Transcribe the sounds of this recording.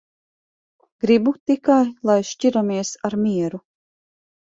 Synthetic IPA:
ɡ̥ɾibut̪ikajlˠajʃt͡ʃiɾamiɛsaɾmiɛɾu

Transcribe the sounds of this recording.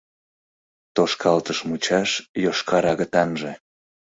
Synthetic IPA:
t̪oʃkʰɑlt̪əʃmut͡ɕɑʃjoʃkʰɑɾɑɣət̪ɑnʒĕ

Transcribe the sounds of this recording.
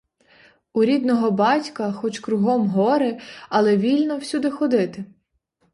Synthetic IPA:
uɾʲid̪nɔɦɔbɑtʲkɐxɔt͡ʃkɾʊɦɔmɦɔɾɪɐlˠɛʋʲilʲnɔw̥sʲud̪ɪxɔd̪ɪt̪ɪ

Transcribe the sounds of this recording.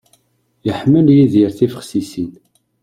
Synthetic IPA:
jəħməljiðiɾθifə̥χsisin

